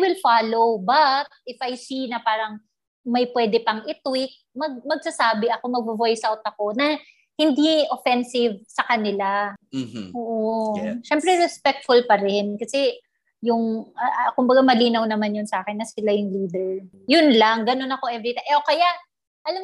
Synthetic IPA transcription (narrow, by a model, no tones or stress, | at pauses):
wɪlfaːlo̞wbɐt̪̚ʔɪfɐjsinɐpaːɾɐŋ | mɐjpwɛːd̪ɛpɐŋʔɪt̪wɪk̚mɐɡ̚mɐɡ̚sɐsaːbɪʔɐko̞mɐɡ̚bovojsawt̪ɐko̞nɐ | hɪnd̪iofɛnsɪvsɐkɐnɪla | ʔoːʔoʃɛmpɾɛɾɛspɛk̚t̪fʊlpɐɾɛnkɐsɛ | jʊŋɐʔkʊmbɐɡamɐliːnɐwnɐmanjʊnsɐʔaːkɪnːɐsɪlajʊŋliːd̪ɛɹ | jʊnlaŋɡɐno̞nɐko̞ʔɛvɹɪt̪aŋʔɛʔokɐjaʔ | ʔɐlam